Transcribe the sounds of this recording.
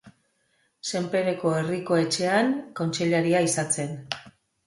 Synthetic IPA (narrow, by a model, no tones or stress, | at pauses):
se̞mpe̞ɾeko̞e̞riko̞e̞t͡ʃe̞aŋko̞nt͡ʃeʎaɾiaisat͡se̞n